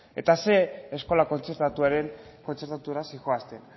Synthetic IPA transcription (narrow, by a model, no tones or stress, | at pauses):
e̞t̪ase̞ːsko̞lako̞nt͡se̞ɾt̪at̪uaɾe̞ŋko̞nt͡se̞ɾt̪at̪uɾasixoast̪e̞n